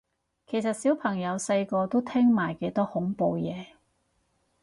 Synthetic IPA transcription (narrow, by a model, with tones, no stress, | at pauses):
kʰe˨˩jsɐ˨t̚si˨˥wpʰɐ˨˩ŋjɐ˨˧wsɐ˧jkɔː˧t̪o˥wt̪ʰɛː˥ŋmaː˨˩jke˨˥t̪ɔː˥hʊ˨˥ŋpo˧wjɛː˨˧